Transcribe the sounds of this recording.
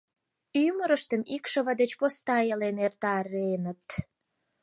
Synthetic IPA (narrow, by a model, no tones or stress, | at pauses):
yməɾəʃt̪əmikʃə̆βɑd̪et͡ɕpost̪ɑjelenert̪ɑrenət̪